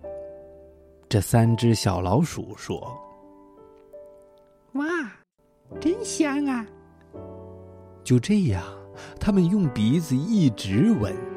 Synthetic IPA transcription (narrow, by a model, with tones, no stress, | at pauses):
ʈ͡ʂɤ˥˩sa˥nʈ͡ʂɻ̩˥ɕjɑ̰˨˩ʊlɑ˧˥ʊʂṵ˨˩˦ʂwɔ̰˥ | wa˥˩ | ʈ͡ʂə˥nɕjɑ˥ŋɐ˧ | t͡ɕjo˥˧ʊʈ͡ʂɤ˥˧ja˥˩t̪ʰa˥mə˨njʊ˥˩ŋpi˧˥d͡zɹ̩˨i˥˩ʈ͡ʂɻ̩˧˥wə̰˨˩˦n